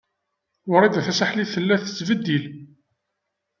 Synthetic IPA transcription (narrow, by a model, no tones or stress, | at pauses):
ʊɾˤid̪æθæsəħliθəlːæθə̥t͡sːvəd̪ːil